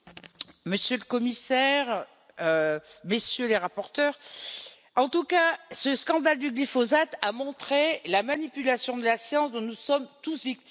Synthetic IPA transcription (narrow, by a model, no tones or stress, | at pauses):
məsjøləkɔmisɛʁ | ømesjøleʁapɔʁt̪œːʁ | ɑ̃t̪ukasəskɑ̃d̪ald̪yɡlifɔzat̪amɔ̃t̪χelamanipylasjɔ̃d̪əlasjɑ̃sd̪ɔ̃nusɔmt̪usvik̚t̪